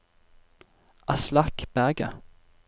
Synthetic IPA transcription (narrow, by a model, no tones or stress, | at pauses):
ʔɑslɑkb̥æʁɡə̰